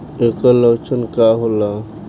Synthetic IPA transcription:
ekələt͡ʃənkaɦola

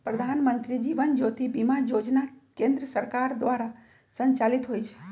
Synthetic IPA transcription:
pɾəd̪ʱanmənt̪ɾid͡ʒiʋənd͡ʒot̪ʰibimajod͡ʒnakẽnd̪ɾəsəɾkaɾd̪ʋaɾa | sə̃ɲt͡ʃalit̪ɦojt͡ʃʰe̥

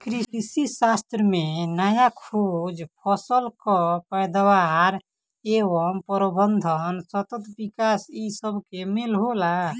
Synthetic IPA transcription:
kɾiisisast̪ɾəmenəjakʰod͡ʒpʰəsəlkɔpəjd̪awaɾ | eʋəmpəɾəbənd̪ʱənsət̪ət̪bikasisəbʱkemelɦola

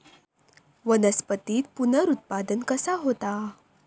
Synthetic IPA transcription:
ʋənəspət̪iːt̪̚punəɾut̪̚pad̪ənkəsaɦot̪a

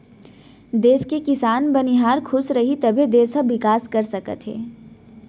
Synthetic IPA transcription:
d̪eːskekɪsaːnbɐniɦaːɾkʰʊsɾɐɦit̪ɐbʱid̪eːsɐʋɪkaːskɐɾsɐkə̰t̪ɦḛː

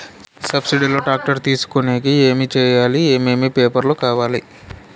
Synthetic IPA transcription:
sɐpsiɖilo̞ːʈaːk̚ʈɐɾt̪iːsu̥koneːɡieːmit͡ʃɛːjaːlieːmeːmipeːpɐɾloːkaːʋaːli

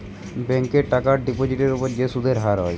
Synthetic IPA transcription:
bɛŋkeɾʈakaɾɖipod͡ʑiʈeɾupoɾd͡ʑeʃud̪ʱeɾɦaɾɦɔe

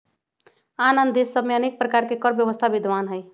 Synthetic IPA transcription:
anənd̪esːəbmeənek̚pɾəkaɾkekəɾbjəʋəst̪ʰabɪd̪ʱʋanɦəj

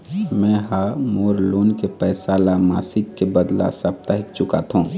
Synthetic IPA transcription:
mɛ̃ɦamoːɾloːnkepɛːsaːlama̰ːsɪkːebəd̪la̰səb̚t̪əɦɪkt͡ʃʊka̰t̪ʰɦũː

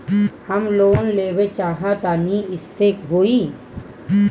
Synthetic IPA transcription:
hɐmloːnleːwet͡ʃaːɦat̪aːniɪsːekɦoi

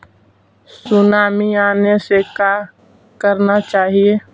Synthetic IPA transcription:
sʊnaːmiaːnesekaː | kəɾnat͡ʃaːɦie

